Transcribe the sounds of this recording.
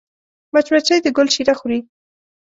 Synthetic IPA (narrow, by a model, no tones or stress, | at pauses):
mat͡ʃwat͡ʃajd̪əɡʊlʃiɾaxuɾi